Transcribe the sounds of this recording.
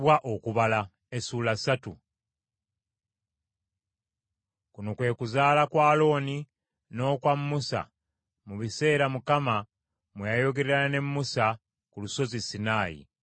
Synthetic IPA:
waʔokuβala | esuːlasatu | kunokwe̞ːkuzaːlakwaːlo̞ːni | no̞ːkwamːusa̰ | muβise̞ːɾamukama | mwejajo̞ɡe̞ɾeɾaane̞mːusa | kuluso̞zisinaːjḭ

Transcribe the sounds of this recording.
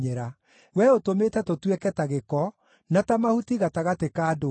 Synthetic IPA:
eɾa | wɛotometɛtotwɛkɛtaɣekɔ | natamahutiɣataɣatekaːdo

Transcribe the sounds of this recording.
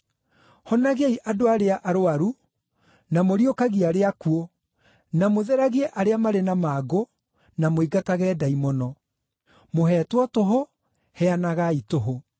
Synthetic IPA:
hɔnaɣeiʔadoaɾeaʔaɾoaɾu | namoɾiokaɣiaɾeakuo | namoðɛɾaɣiɛʔaɾeamaɾenamaɡo | namoiɡataɣɛːdaimɔnɔ | moɦɛtwɔtoɦo | hɛanaɣaitoɦo

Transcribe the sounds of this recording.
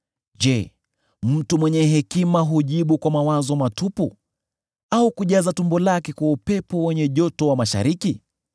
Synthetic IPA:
ʄɛ | m̩tumwɛɲɛɦɛkimaɦuʄiɓukwamawazɔmatupu | aukuʄazatumbɔlakɛkwaupɛpɔwɛɲɛʄɔtɔwamaʃa̰ɾiki

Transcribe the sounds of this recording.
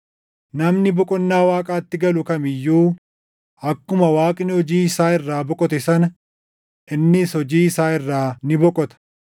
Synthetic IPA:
nɐmnɪbɔkʼɔnːaːwaːkʼaːt̪ːɪɡɐlʊkɐmɪjːuː | ɐkːʊmɐwaːkʼnɪhɔd͡ʒiːɪsaːɪrːaːbɔkʼɔt̪ɛsɐnɐ | ʔɪnːɪshɔd͡ʒiːɪsaːɪrːaːnɪbɔkʼɔt̪ɐ̥

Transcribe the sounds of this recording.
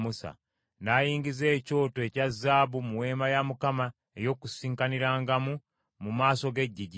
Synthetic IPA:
musa̰ | naːjiːŋɡize̞ːco̞ːtoe̞cazːaːβumuwe̞ːmajamukama | e̞jo̞kusiːŋkaniɾaːŋɡamu | mumaːso̞ɡe̞ɟːiɟi

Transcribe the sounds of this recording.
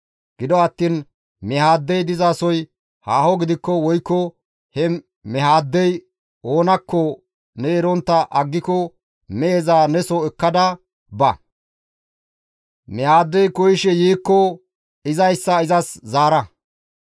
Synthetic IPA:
ɡ̥ɪd̪ɔɐt̪ːiːn | mɛhaːd̪ːɛjd̪ɪzaːsɔj | haːhɔɡɪd̪ɪkːɔwɔjkːɔ | hɛ | mɛhaːd̪ːɛj | o̞ːnɐkːɔ | nɛɛɾɔnt̪ːɐʔɐɡːɪkɔ | mɛezaːnɛsɔɛkːɐd̪ɐ | bɐ | mɛhaːd̪ːɛjkɔjɪʃɛjiːkːɔ | ɪzɐjsːɐɪzɐszaːɾɐ

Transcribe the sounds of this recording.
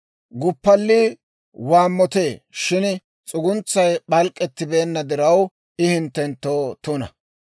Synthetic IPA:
ɡʊpːɐlːiː | waːmːɔt̪e̞ːʃɪn | t͡sʼʊɡʊnt͡sːɐjɓɐlkʼːɛt̪ːɪbe̞ːnːɐd̪ɪɾɐw | ʔɪhɪnt̪ːɛnt̪ːoːt̪ʊnɐ̰

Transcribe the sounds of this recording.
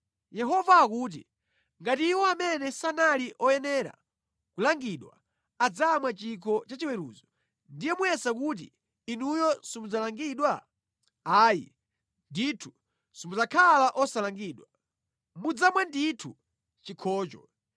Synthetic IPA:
jɛɦɔvaːkuːt̬ḭ | ŋɡatiːwɔamɛnɛsanaliʔɔjɛnɛːɾa̰ | kulaŋɡiɗwa̰ | ad͡zamwat͡ʃikʰɔt͡ʃat͡ʃiwɛɾṵːzɔ | ndijɛmuɛsakut̬ḭ | inujɔsimud͡zalaŋɡiɗwa | aːjḭ | nditʰu̥ | sɔmud͡zakʰalaʔɔsalaŋɡiɗwa | mud͡zamwanditʰu | t͡ʃikʰɔːt͡ʃɔ̰

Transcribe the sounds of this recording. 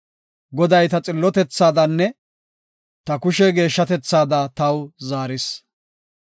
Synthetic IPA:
ɡɔd̪ɐjt̪ɐt͡sʼɪlːɔt̪ɛt͡sːaːd̪ɐnːɛ | t̪ɐkʊʃɛɡe̞ːʃːɐt̪ɛt͡sːaːd̪ɐt̪ɐwzaːɾɪs

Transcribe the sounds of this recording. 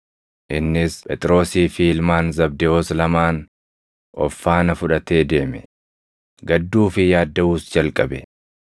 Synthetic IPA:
ʔɪnːɪspʼɛt̪ʼɪɾo̞ːsiːfiɪlmaːnzɐb̚d̪ɛoːslɐmaːn | ʔɔ̰fːaːnɐfʊᶑɐt̪e̞ːd̪e̞ːmɛ | ɡɐd̪ːuːfɪjaːd̪ːɐuːsd͡ʒɐlkʼɐbɛ

